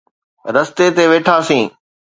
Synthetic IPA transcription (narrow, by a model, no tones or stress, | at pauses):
ɾɐst̪et̪eʋeːʈʰasĩː